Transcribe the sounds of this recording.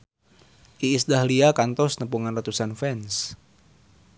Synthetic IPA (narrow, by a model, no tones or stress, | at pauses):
ʔiːsdahliakant̪ɔsnəpuŋanrat̪usanfɛns